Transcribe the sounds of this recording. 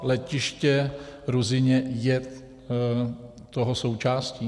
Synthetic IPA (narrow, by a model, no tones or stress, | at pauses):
lɛcɪʃcɛɾuzɪɲɛjɛ | t̪oɦosowt͡ʃaːsciː